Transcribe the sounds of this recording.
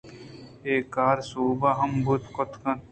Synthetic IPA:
eːkaːɾsuːbaɦɐmbʱut̪kɔt̪kɐn

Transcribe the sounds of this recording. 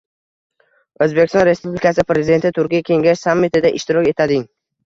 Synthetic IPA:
ɵzbekʲɪst̪ɒ̃nɾe̞spublɪkasɪpɾezɪd̪e̞nt̪ʰɪt̪ʰʊɾkʲijakʲʰe̞ŋɡʲaʃsamːɪt̪ɪd̪aʔɪʃt̪ɪɾɒkʲe̞t̪ʰad̪ɪŋ

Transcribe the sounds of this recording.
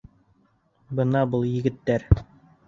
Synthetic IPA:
bɤnɑbɤlˠjɘ̆ɡɘ̆t̪ːæɾ

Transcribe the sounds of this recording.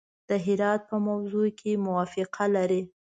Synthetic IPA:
d̪̥əɦɪɾɑt̪̚pəmawzokʰemʊwɑfɪqʰalaɾi

